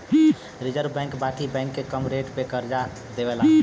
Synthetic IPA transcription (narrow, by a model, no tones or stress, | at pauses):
ɾid͡ʒəɾbɛ̃ŋkbaʈibɛ̃ŋkːekəmɾeʈpekəɾd͡ʒa | d̪ebela